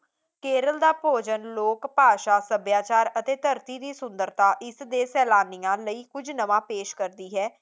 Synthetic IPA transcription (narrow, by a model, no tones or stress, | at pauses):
keːɾəld̪aːpoːd͡ʒənloːkpaːʃaːsəbjaːt͡ʃaːɾət̪eːt̪əɾt̪iːd̪iːsʊnd̪əɾt̪aːʔɪsd̪eːsɛːlaːnijãːləiːkʊd͡ʒnəʋãːpeːʃkəɾd̪iːɦɛː